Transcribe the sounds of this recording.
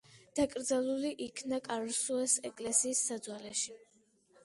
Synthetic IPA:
d̪̥akʼɾd̪zalˠuliʔikʰnakʼaɾsuɛsɛkʼlɛsiːsːad̪zwalɛʃi

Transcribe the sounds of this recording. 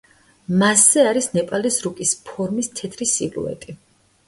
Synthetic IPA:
masːɛaɾisnɛpʼalisɾukʼispʰɔɾmist̪ʰɛt̪ʰɾisḭvlṵɛ̰t̪ʼi

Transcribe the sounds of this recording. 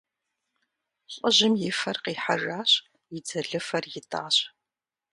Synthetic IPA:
ɕʼɔʑɪmjɪfɐrqiːħaraːɕ | jɪd͡zɐɮɨfɐrjɪtʰa̰ːɕ

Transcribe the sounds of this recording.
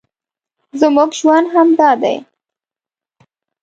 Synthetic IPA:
zəmuɡʒwand̪ɦamd̪ɑd̪a̰j

